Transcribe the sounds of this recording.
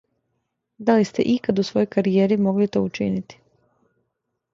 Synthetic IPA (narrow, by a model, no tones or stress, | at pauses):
d̪alist̪ḛʔikad̪usʋo̞jo̞jkaɾijeːɾimo̞ɡlit̪o̰ut͡ʃḭnit̪i̥